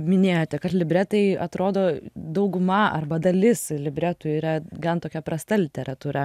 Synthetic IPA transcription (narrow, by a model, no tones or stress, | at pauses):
mʲɪnʲeːjoːt̪ʲɛkɐt̪lʲɪbʲɾʲæt̪ɐɪɐt̪ɾoːd̪oːd̪ɐʊɡʊmɐɐ̰rbɐd̪ɐlʲɪslʲɪbʲɾʲæt̪ʊiːɾɐɡɐnt̪oːkʲɛpɾɐst̪ɐlʲɪt̪ʲɛɾɐt̪uːɾɐ